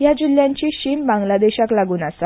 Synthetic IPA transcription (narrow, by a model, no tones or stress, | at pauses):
jad͡ʑiljaɲt͡ɕiːɕimbãŋɡlad̪eɕaklaɡuːnasa